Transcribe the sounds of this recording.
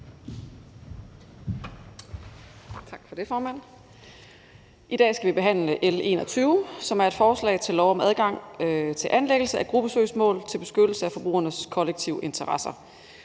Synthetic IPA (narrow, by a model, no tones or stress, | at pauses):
t͡sʰɑ̈ɡ̥fɒ̽d̥e̝fɒːmæn̰ | ʔid̥ɛ̰ːsɡ̥æʋib̥e̝ɦæn̰ləʔele̝̰ːnɒ̽t͡sʰyːʊsɒ̽mæɐe̝d̥fɒːslɛ̰ɪt͡sʰe̝lːɒʊɒ̽mæð̞ˠɡ̥ɑ̈ŋ̰t͡sʰe̝lʔænleɡ̥l̩səʔæɡ̥ʁub̥əsø̰ːsmɔ̰̽ːlt͡sʰe̝lb̥e̝sɡ̥ød̥l̩səæfɒ̽b̥ʁṵːɐnəskʰɒ̽leɡ̥̚t͡sʰiʊʔe̝nt͡sʰɐʁɑ̈sɐ